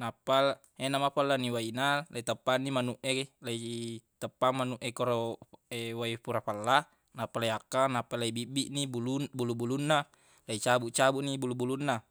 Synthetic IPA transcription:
napːal | enamapalːaniwainalait̪əpːanːimanuʔeelait̪əpːamːanuʔekoɾoewaipuɾapalːa | napːaliakːanapːalaibibiʔniulubulubulunːa | lait͡ʃabuʔt͡ʃabuʔnibulubulunːa

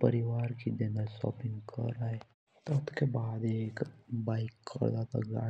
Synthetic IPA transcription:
pəɾiʋaːɾkid̪enasɔ̰ːpɪ̃ŋɡkə̰ɾaːe | t̪oʊt̪kebaːd̪eːkbaːɪkːə̰ɾd̪at̪a̰ɡa̰ː

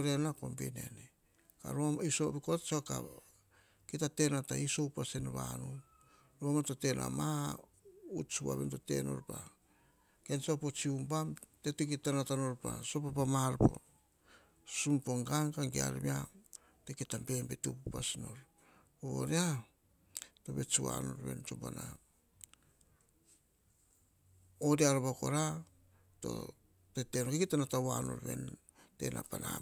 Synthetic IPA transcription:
ɾanako̞mbine̞̰ne | ka̰ɾomisobikot͡ʃaka̰ | kitate̞nataisowpasenβa̰nu | ɾomatote̞na̰ma | ut͡ʃua̰βḛntote̞̰no̞̰ɾpa | ke̞nsopot͡ʃiumbamtetukitanatano̞ɾpa̰so̞papamalpo̞̰ | sumpo̞ŋɡaŋkaŋɡea̰ɾmia | tekitampe̞mbetupupasino̞ɾ | oo̰ɾea | to̞be̞t͡ʃuwa̰no̞̰ɾβe̞̰nt͡ʃoba̰na | odeaɾbako̞ɾa | to̞̰ | tetenokikitanatawano̞̰ɾβe̞̰n | te̞̰nʔa̰pana

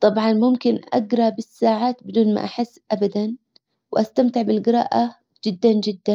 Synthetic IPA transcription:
t̪ˤɑbʕɑnmʊmkɪnʔa̰ɡɾˤɑbɪsːaːʕaːt̪bɪd̪uːnma̰ʔaħɪsːʔabad̪an | wʔast̪amt̪ɪʕbɪlɡɪɾa̰ːʔa | d͡ʒɪd̪ːand͡ʒɪd̪ːan

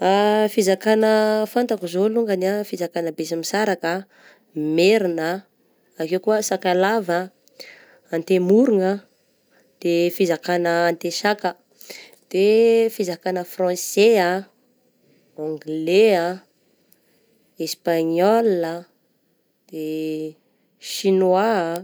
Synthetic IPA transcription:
afizakanəfant̪akuzoluŋɡanafizakanəbesamisaɾakə | meɾinə | akewkuəsakalavə | ant̪emuɾuŋə | d̪̥efizakanəːnt̪esakə | d̪̥efizakanəfrɑ̃sea | ɔ̃ŋɡlea | espaɲɔlə | d̪̥e | ʃinwa

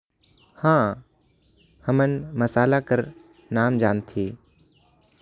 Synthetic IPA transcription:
hãː | həmənməsaːlakəɾ | naːmd͡ʒaːnt̪ʰiː

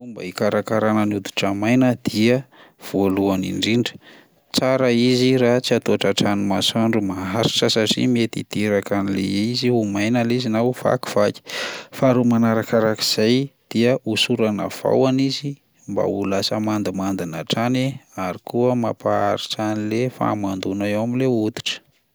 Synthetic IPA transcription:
umba̰ikaɾakaɾanənud̪u̥ʈ͡ʂamajnəd̪̥iəv̥oluanḭɳɖ͡ʐiɳɖ͡ʐə̥ | t͡saɾəiziɾat͡siat̪oaʈ͡ʂaʈ͡ʂanimasaɳɖ͡ʐumaɦaɾi̥ʈ͡ʂəsaʈ͡ʂḭmiet̪it̪eɾakanilḛiziumajnalizinawv̥a̰ku̥v̥aki̥faɾumanaɾakaɾaki̥z̥ajd̪̥iəʔusuɾana̰v̥a̰wanizi | mba̰ulasəmand̪imand̪inaʈ͡ʂaneaɾikuəmapaaɾit͡sanilefa̰mand̪unaewamileut̪i̥ʈ͡ʂə̥

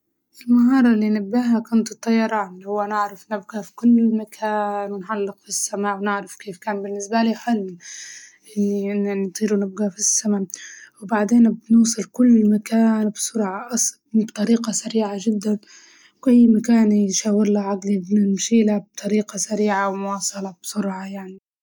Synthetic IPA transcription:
ʔɪlmaɦɑːɾˤɑlːinabːaːɦakʊnt̪ɨt̪ˤːɑjːɑɾˤɑːnlhʊwːanɪʕɾafnɪbɡafi̥kʊlːmakʰaːnwɪnħalːɪqfisːamawnɪʕɾafkeːfkaːnbɪnːɪsbaliːħalː | ʔɪnːint̪ˤiːɾunɪb̚ɡafisːamawbaʕd̪eːnbnuːsˤɨlkʊlːmakaːnbsʊɾʕɑʔɑsˤ | bt̪ˤɑɾiːqɑsaɾiːʕaʒɪd̪ːan | wʔajːmakaːnjʃaːwɪɾlaʕaɡlibnɪmʃiːlab̚t̪ˤɑɾiːqɑsaɾiːʕawmʊwɑːsˤɑlɑbsʊɾʕɑjaʕni

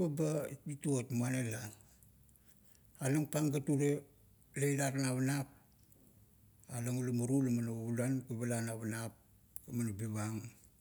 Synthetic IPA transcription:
babait̚bituotmuanela | laŋpaŋɡatuɾe | lejlaɾanaβanap̚ | alaŋulamuɾulamanoulankuβalanaβanap̚ | kamanobiβaŋ

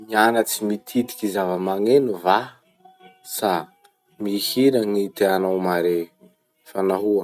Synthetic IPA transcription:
mianat͡simit̪ʰit̪i̥kʲizavəmaŋenuva | sa | mihiɾəŋit̪eanawmaɾe | fanaɦua

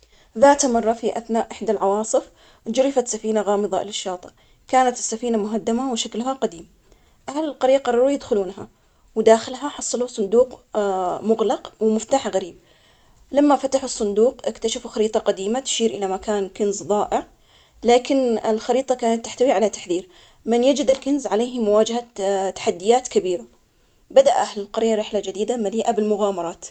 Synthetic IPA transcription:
ðaːt̪mɑrˤːɑfiʔaθnaːʔʔɪħd̪alʕɑwɑːsˤɨf | d͡ʒʊɾɪfat̪safiːnaɣɑːmɨðˤɑʔlɪʃːɑːt̪ˤɨ | kaːnat̪ɪ̥sːafiːnamʊɦad̪ːamawʃaklɦaqad̪iːm | ʔahalɪlqɑɾiːqɑrˤɑɾuːjɪd̪xʊluːnɦa̰ | wd̪aːxɪlɦaħɑsˤːɑlusˤʊnd̪uːq | mʊɣlɑqwmʊft̪aːħaɣaɾiːb̚ | lamːafat̪aħʊsˤːʊnd̪uːqʔɪkt̪aʃafuxaɾiːt̪ˤɑqad̪iːmat̪ʃiːɾʔɪlamakaːnkɪnzðˤɑːʔɪʕ | laːkɪnɪlxɑɾiːt̪ˤɑkaːnat̪ːɪħt̪awiʕalat̪aħðiːɾ | mɪnjad͡ʒɪd̪ɪlkɪnzʕaleːhmʊwaːd͡ʒahat̪ːḁħad̪ːɪjaːt̪kabiːɾa | bad̪aʔʔahlɪlqɑɾɪjːaɾɪħlad͡ʒɪd̪iːd̪amaliːʔabɪlmʊɣaːmɑɾˤɑːt̪

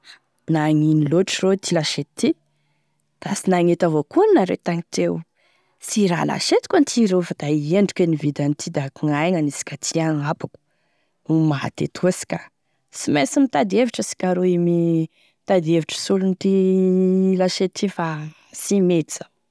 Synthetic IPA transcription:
naŋiniloʈ͡ʂirot̪ʰilaʃet̪i | d̪̥asinaŋet̪avokunnaɾḛt̪aŋit̪ew | siɾa̰la̰ʃet̪i̥kʲant̪ʰiɾefad̪̥aieɳɖ͡ʐu̥kenivid̪ant̪ʰid̪akuŋajŋanisi̥kʲat̪ʰiaŋapḁku̥ | umaɦa̰t̪ḛt̪ʰusi̥kʲa | simesimit̪ad̪eviʈ͡ʂəsi̥kʲaɾoimi | t̪ad̪eviʈ͡ʂə̥sulunit̪i | laʃet̪ʰifa | simet̪i̥z̥a

